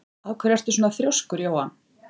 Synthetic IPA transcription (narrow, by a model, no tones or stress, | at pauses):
aðkʰvɛɾjar̥t̪ɪsuːnaθɾjowskʏɾjaːwhan